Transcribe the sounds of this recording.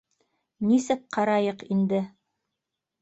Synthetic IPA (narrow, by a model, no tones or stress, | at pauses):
nisɘk̚qɑɾɑjɤqind̪ɘ